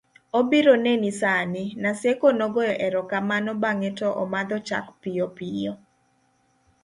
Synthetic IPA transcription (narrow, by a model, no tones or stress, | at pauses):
obiɾonenisanɪnasekonɔɡɔjɔʔɛɾɔkamanɔbaŋɛtɔʔɔ̰mad̪ɔt͡ʃa̰kpijɔpijo